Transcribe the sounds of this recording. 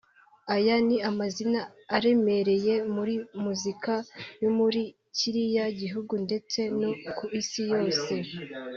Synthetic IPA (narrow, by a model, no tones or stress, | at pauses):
ajaniamazinaː | ɾe̞me̞ɾe̞je̞muɾimuzikajomuɾi | ciɾijaɟiɦuɡunde̞t͡se̞nokuisijo̞ːse̞